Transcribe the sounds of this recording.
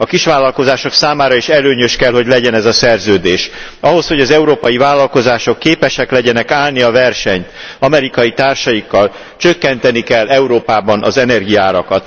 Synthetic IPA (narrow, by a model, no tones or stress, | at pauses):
ɒkiʃʋaːlːɒlko̞zaːʃo̞ksaːmaːɾɒiʃɛløːɲøʃkɛlɦo̞ɟlɛɟɛnɛzɒsɛrzøːd̪eːʃ | ɒɦo̞sho̞ɟɒzɛuɾoːpɒjivaːlːɒlko̞zaːʃo̞kːeːpɛʃɛklɛɟɛnɛkaːlniɒvɛrʃɛɲt̪ɒmɛɾikɒjit̪aːrʃɒjikːɒl | t͡ʃøkːɛnt̪ɛnikɛlːɛuɾoːpaːbɒnʔɒ̰zɛnɛrɡijaːɾɒkɒt̪